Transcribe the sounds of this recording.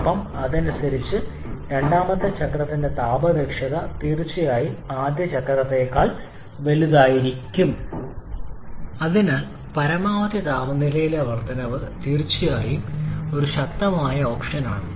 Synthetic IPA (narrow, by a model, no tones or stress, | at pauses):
pːɐmɐðɐnusɐɾit͡ɕːɨ | ɾe̞ɳɖaːmɐt̪ːɐt͡ɕɐkrɐt̪ːinde̞t̪aːbɐbekʂɐðɐt̪iːrt͡ɕːijaːjiaːd̪jɐt͡ɕɐkrɾɐt̪ːe̞ːkːaːɭ | ʋe̞luðaːjiɾikʲːum | ɐðinaːl | pɐɾɐmaːʋɐt̪jɐt̪aːbɐnilɐjileɐʋɐrt̪ɐnɐʋɨt̪iːrt͡ɕːijaːjio̞ɾuɕɐk̚t̪ːɐmaːjɐo̞ːkʂɐna̰ːɳɨ